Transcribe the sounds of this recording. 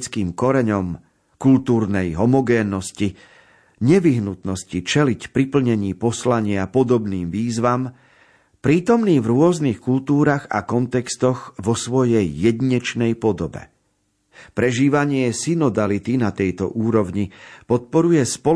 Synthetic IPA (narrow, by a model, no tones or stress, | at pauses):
t͡skiːmkɔɾɛɲɔm | kult̪uːɾnɛjɦɔmɔɡɛːnːɔsci | ɲɛʋiɦnut̪nɔscit͡ʃɛlicpɾipl̩ɲɛɲiːpɔslaɲɪapɔd̪ɔbniːmʋiːzʋam | pɾiːt̪ɔmniːvɾʊɔznixkult̪uːɾaːɣa̰kɔnt̪ɛkst̪ɔɣʋɔsʋɔjɛjːɛd̪iɲɛt͡ʃnɛjpɔd̪ɔbɛ̰ | pɾɛʒiːʋaɲɪɛsinɔd̪alit̪inat̪ɛjt̪ɔ̰ʔuːɾɔʋɲipɔt̪̚pɔɾujɛspɔ